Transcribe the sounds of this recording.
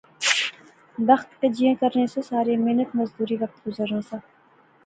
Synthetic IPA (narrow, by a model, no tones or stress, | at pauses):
b̪ɐxt̪ked͡ʒijẽkɐɾnesesaːɾemenət̪mɐzd̪uːɾiːʋɐk̚t̪ɡʊzəɾneːsẽ